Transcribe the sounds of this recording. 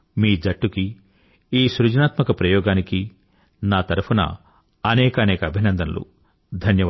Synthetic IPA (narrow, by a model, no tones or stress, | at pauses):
miːd͡ʒɐʈːuki | iːsuɾud͡ʒnaːt̪mɐkɐpɾɐjɔːɡaːniki | naːt̪ɐɾupʰunɐ̰ | ɐnɛːkɐːnɛːkɐːbʱinɐnd̪ɐnɐlṵ | d̪ʱɐnjɐ